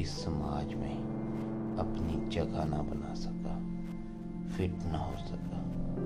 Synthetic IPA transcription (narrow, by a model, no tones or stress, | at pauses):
ɪsɐmaːd͡ʒmḛ̃ | ɐpnid͡ʒɐɡanɐbɐnaːsɐkaː | fɪʈnɐɦoːsɐkaː